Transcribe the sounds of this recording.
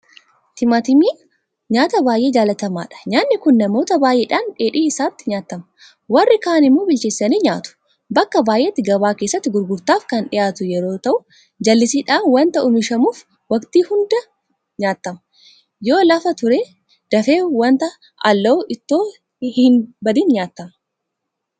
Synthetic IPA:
t̪ɪmɐt̪ɪmiː | ɲaːt̪ɐbaːjʔe̞ːd͡ʒaːlɐt̪ɐma̰ːᶑɐ̥ɲaːnːɪkʊnːɐmo̞ːt̪ɐbaːjʔeːᶑaːnᶑe̞ːᶑiːɪsaːt̪ːɪɲaːt̪ːɐmɐ | wɐrːɪkaːnɪmːuːbɪlt͡ʃeːsːɐniːɲaːt̪ʊ̥ | bɐkːɐbaːjʔeːt̪ːɪɡɐβaːkeːsːɐt̪ːɪɡʊɾɡʊɾt̪aːfkɐnᶑɪjaːt̪ʊjɛɾo̞ːt̪ɐʔʊ | d͡ʒɐlːɪsiːᶑaːnwɐnt̪ɐʔʊmɪʃɐmuːf | wɐkt̪iːhʊnd̪ɐ | ɲaːt̪ːɐmɐ̥ | joːlɐfɐt̪ʊɾeː | d̪̥ɐfe̞ːwɐnt̪ɐ | ʔɐlːɐʔɪt̪ːo̞ː | hɪnbɐd̪iːnɲaːt̪ːɐmɐ

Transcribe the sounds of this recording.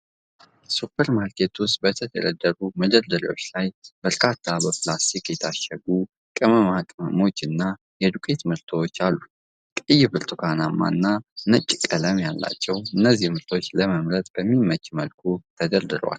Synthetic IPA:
supʰːəɾmaɾkʰet̪ʰuwst̪̚bət̪ʰəd̪ʰə̰ɾə̰d̪ːəɾuməd̪əɾd̪əɾḭwo̞̰t͡ʃːlajb̥əɾkʰat̪ʰːabəplast̪ʰikjɛt̪ʰaʃəɡu | kʼɨməmakʼɨməmo̞t͡ʃːɨnːa | jɛd̪ukʰʼe̞t̪mɨɾt̪ʰəwot͡ʃːalːu | kʼɨjɪbɨɾt̪ʰukʰanamːa̰ɨnːanəkʼːikʼələmjalːa̰t͡ʃːɛwɨnːəzːihmɨɾt̪ʰo̞t͡ʃːləməmɾət̪ʼb̥əmːimət͡ʃʼːməlkʰut̪ʰəd̪əɾd̪ɨɾwa̰l

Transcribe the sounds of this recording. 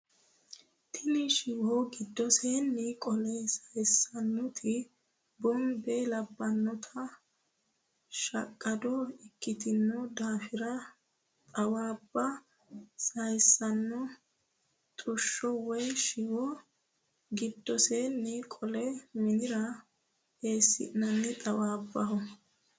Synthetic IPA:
t̪ʰɪnɪʃɪwɔɡɪd̪ːɔseːnːikʼɔlɛsɐjsːɐnːʊt̪ʰɪ | bɔmbɛlɐbːɐnːɔt̪ʰɐ | ʃɐkʼːɐd̪ɔɪkːɪt̪ɪnːɔd̪aːfɪɾɐ | t̪ʼɐwaːbːɐ | sɐjsːɐnːɔ | t̪ʼʊʃːɔwɛjʃɪwɔ | ɡɪd̪ːɔsenːɛkʼɔlɛmɪnɪɾɐ | eːsːɪ̰nɐnːɪt̪ʼɐwaːbːɐɦɔ

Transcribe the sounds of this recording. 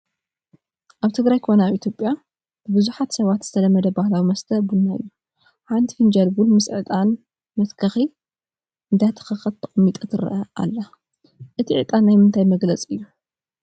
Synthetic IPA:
ʔaβt̪ʰɨɡɾajkʰo̞nɐaβʔit̪ʰjo̞pʼja | b̥ɨbɨzuħat̪sɐβat̪z̥ɨt̪ʰɐlɐmːɐd̪ɐbahlawimɐst̪ʰɐbunːaɨ̰jːu | ħant̪ʰifind͡ʒɐlbunmɨsʕɨt̪ʼan | mɐt̪kʰɐxi | ʔɨnd̪at̪ʰɐ̥xɐxɐt̪t̪ʰːɐχʼmːit̪ʼɐt̪ʰɨɾɐ̰ʔɐa̰lːɐ | ʔɨt̪ʰiʕɨ̰t̪ʼanːajmɨnt̪ʰajmɐɡlɐt͡sʼɨjːu

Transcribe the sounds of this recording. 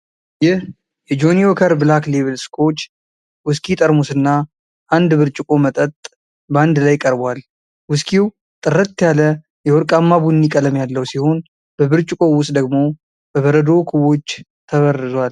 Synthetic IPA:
jɪh | jɛd͡ʒo̞niwokʰəɾbɨlakleβɨlskʰo̞t͡ʃː | wʊskʰʼit̪ʼəɾmusɨnːa | ʔand̪bɨɾt͡ʃʼɪkʼo̞mət̪ʼət̪ʼ | bəand̪lajkʼəɾbwal | wʊskʰiw | t̪ʼɨrːət̪ːjalə | jɛwɔɾkʼamːabunːikʼələmjalːəwsiho̞n | b̥əβɨɾt͡ʃʼɪkʼo̞wʊst̪ʼd̪əɡmo̞ | bəβəɾəd̪o̞kʰuβo̞t͡ʃː | t̪ʰəβərːɨzwal

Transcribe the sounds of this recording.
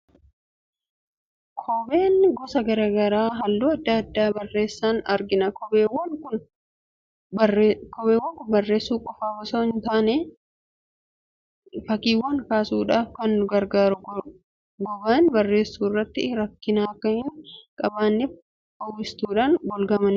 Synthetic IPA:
kʰɔbeːnɡɔsɐɡɐɾaːɡɐɾaːɦɐlːuːɐd̪ːɐːɐd̪ːaːbɐrːe̞ːsːaːnɐɾɡɪnɐkɔbeːwːɐŋkʊn | kɔbeːwːɐŋkʊnbɐrːe̞ːsːuːkʼɔfaːɡɔsoːɪnt̪aːne | fɐkiːwɐŋkaːsuːᶑaːfkɐnʊɡɐɾɡaːɾʊ | ɡɔbaːnbɐrːe̞ːsːuːɪrːɐt̪ːɪɾɐkːɪnaːɐkːɐhɪnkʼɐbaːnːɛ | fɐwːɪst̪uːᶑaːnɡɔlɡɐmɐn

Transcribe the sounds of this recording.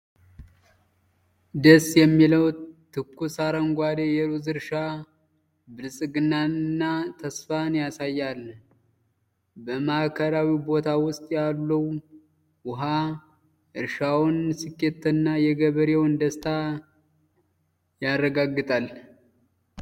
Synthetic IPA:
d̪əsjɛmːiləwt̪ʰɨkːusaɾəŋɡʷad̪ejɛɾuzɨɾʃa | bɨɾsʼɨɡɨnːanɨnːat̪ʰəsfanjasajːal | bəmahkʰəɾawibo̞t̪ʰawʊst̪ʼjalːuw | wʊɦa | ʔɨɾʃawʊnsɨkːet̪ʰːɨnːajɛɡəβəɾewɨnd̪əst̪ʰa | jarːəɡaɡːɨt̪ʼal

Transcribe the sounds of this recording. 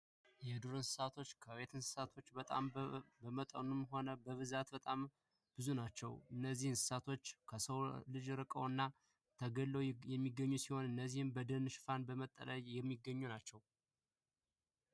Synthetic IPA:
jɛd̪uɾɨnsɨ̥sat̪ʰo̞t͡ʃːkʰəwet̪ʰɨnsɨ̥sat̪ʰo̞t͡ʃːbət̪ʼa̰mbəmət̪ʼə̰numɦo̞nəbəβɨzat̪bət̪ʼam | b̥ɨzunat͡ʃːɛ̰wɨnːəzːihɨnsɨ̥sat̪ʰo̞t͡ʃːkʰəsəwlɨd͡ʒɾɨkʼə̰wɨnːa | t̪ʰəɡəlːəwjɛmːiɡːəɲːusiho̞nɨnːəzːihɨmbəd̪ənɨʃfanbəmət̪ʼːə̰ləjjɛmːiɡːəɲːunat͡ʃːɛw

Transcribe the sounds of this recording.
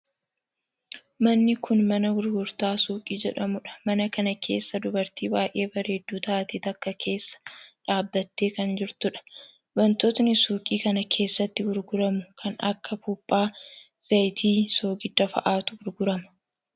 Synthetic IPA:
mɐnːɪkʊnmɐnɐɡʊɾɡʊɾt̪aːsuːkʼiːd͡ʒɛᶑɐmʊᶑɐ̥mɐnɐkɐnɐkʰe̞̰ːsːɐd̪ʊbɐɾt̪iːbaːjʔe̞ːbɐɾeːd̪ːuːt̪aːt̪iːt̪ɐkːɐkʰe̞ːsːɐ̥ᶑaːbːɐt̪ːe̞ːkɐnd͡ʒɪɾt̪ʊᶑɐ̥ | bɐnt̪ɔt̪nɪsuːkʼiːkɐnɐkʰe̞ːsːɐt̪ːɪɡʊɾɡʊɾɐmʊkʰɐnɐ̰kːɐfupʼːaː | z̥ɐjt̪ʰiːso̞ːɡɪd̪ːɐfɐ̰ʔaːt̪ʊɡʊɾɡʊɾɐmɐ̥

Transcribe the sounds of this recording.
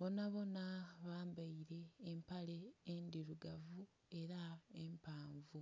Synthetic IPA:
βo̞naβo̞naβaːmbaiɾe̞ːmpale̞ːndiɾuɡavu | e̞ɾaempaːɱvu

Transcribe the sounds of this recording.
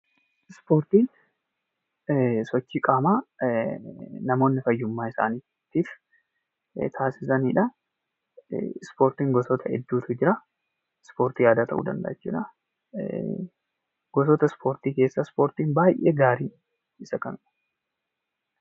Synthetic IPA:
ɪspo̞ːɾt̪iːn | sɔt͡ʃːiːkʼaːmaː | nɐmo̞ːnːɪfɐjːʊmːaːɪsa̰ːniː | t̪iːf | t̪ʰaːsɪ̥sɐniːᶑɐ | spo̞ːɾt̪iːŋɡɔsɔt̪ʰɐɛ̰d̪ːuːt̪ʰʊd͡ʒɪɾɐ | spo̞ːɾt̪iːjaːd̪aːt̪ɐʔṵːd̪ɐ̰nd̪ɐ̰ʔɛ̰t͡ʃːṵːᶑɐ | ɡ̥ɔsɔt̪ɐspʰo̞ːɾt̪iːke̞ːsːɐspo̞ːɾt̪iːnbaːjʔḛːɡaːɾiːn | ɪsɐkɐmɪᶑ

